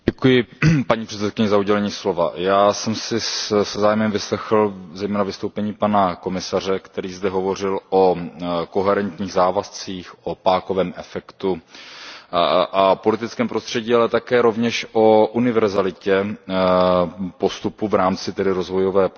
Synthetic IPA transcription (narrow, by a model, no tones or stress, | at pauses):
ɛkujɪpaɲiːpr̥ɛt̪t͡sɛt̪̚kɪɲɛzauɟɛlɛɲiːslo̞va̰jaːsɛmsɪsɛzaːjmɛmvɪslɛxl̩zɛjmɛːnavɪst̪owpɛɲiːpanako̞mɪsar̝ɛkt̪ɛɾiːzd̪ɛɦovo̞r̝ɪloko̞ɦɛɾɛnt̪ɲiːɣzaːvast͡siːxʔo̞paːkovɛːmʔɛfɛkt̪u | ʔapo̞lɪt̪ɪt̪t͡skɛːmpɾo̞st̪r̥ɛɟiːalɛt̪akɛːɾo̞vɲɛʃʔo̞ʔunɪvɛɾzalɪcɛ | po̞st̪upuvɾaːmt͡sɪt̪ɛdɪɾo̞zvo̞jo̞vɛːp